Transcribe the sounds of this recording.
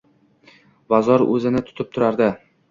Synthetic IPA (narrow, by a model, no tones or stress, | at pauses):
bazɒɾɵ̰zɪnɪt̪ʰʊ̥t̪ʰɪp̚t̪ʰʊɾaɾd̪ɪ